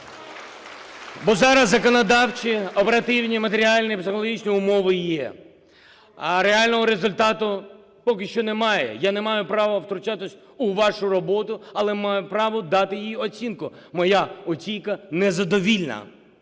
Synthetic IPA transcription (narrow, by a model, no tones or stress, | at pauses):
bɔzɑɾɐzːɐkɔnɔd̪ɑwt͡ʃiɔpeɾɐt̪ɪwnʲimɐt̪eɾʲialʲnɪjipsɪxɔlˠɔɦit͡ʃnʲiʊmɔʋɪjɛ | ɾealʲnɔɦɔɾezʊlʲt̪ɑt̪ʊ | pɔkɪʃt͡ʃɔnɛmɑjɛ̰janɛmɑjʊpɾɑʋɐwt̪ɾʊt͡ʃat̪ɪsʲ | ʊʋɑʃʊrɔbɔt̪ʊɐlˠɛmɑjʊpɾɑʋʊd̪ɑt̪ɪjijiɔt͡sʲinkʊ | mɔjaɔt͡sʲijkɐnɛzɐd̪ɔʋʲilʲnɐ̰